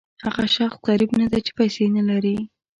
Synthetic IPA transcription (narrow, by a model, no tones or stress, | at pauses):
haɣaʃaxsqaɾibnad̪at͡ʃe̥pajsenalaɾi